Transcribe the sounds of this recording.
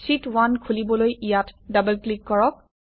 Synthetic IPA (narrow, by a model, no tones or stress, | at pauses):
sitwankʰulibɔlojijatdabəlklikːɔɹɔk̚